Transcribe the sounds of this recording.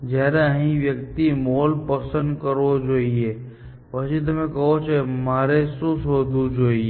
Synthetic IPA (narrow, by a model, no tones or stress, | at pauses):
d͡ʒaːɾaɦĩʋjəkt̪imoːlpəsə̃nd̪kəɾod͡ʒoːie | pəʃit̪̬ɐmẽkɐɦot͡ʃʰemaːɾesosɦoːd̪ud͡ʒoːie